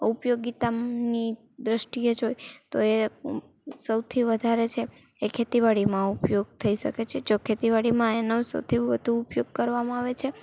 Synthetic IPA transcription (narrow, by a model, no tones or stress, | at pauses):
upjoɡit̪ani | d̪ɾəʃʈijed͡ʒojt̪oe | səwt̪ʰiʋəd̪ʱaɾet͡ʃʰe | ekʰet̪iʋaɽimãupjoɡ̚t̪ʰəiʃə̰ket͡ʃʰed͡ʒokʰet̪iʋaɽimãenosə̰wt̪ʰiʋəd̪ʱuupjoɡ̚kəɾʋamãaʋet͡ʃʰe